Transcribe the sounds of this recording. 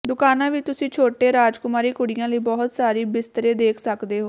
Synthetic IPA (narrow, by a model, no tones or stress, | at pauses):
d̪ʊkaːnãːʋit̪ʊsĩːt͡ʃʰoːʈeːɾaːd͡ʒkʊmaːɾiːkʊɽɪjãːləiːbɔːɦt̪saːɾiːbɪst̪əɾeːd̪eːkʰsəkd̪eːɦoː